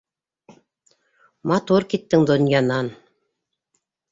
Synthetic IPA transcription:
mɑt̪uɾkit̪ːɘŋd̪ŏnjɑnɑn

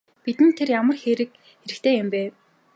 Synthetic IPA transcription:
pit̪ɘ̆nt̪ʰerjamə̆rxeːɾɘ̆k̚ | xeɾɘ̆kt̪ʰeːjʊmpæː

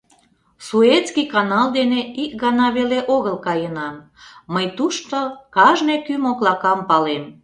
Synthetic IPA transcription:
suet̪skijkɑnɑld̪eneikɡɑnɑβeleʔoɣəlkɑjənɑmː | əjt̪uʃt̪okɑʒnekymoklɑkɑmpɑlem

